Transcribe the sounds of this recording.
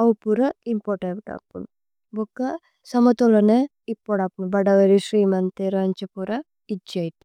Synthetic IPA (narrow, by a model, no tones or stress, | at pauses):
ɐwpuɾɐimpoʈebʈɐ̰pːun | bokːɐ | sɐmɐt̪olɐne | ipːoɽapunbɐɖɐʋɐɾisɾiːmɐnt̪eɾɐɐɲt͡ʃɐpuɾɐ | id͡ʒɐjʈ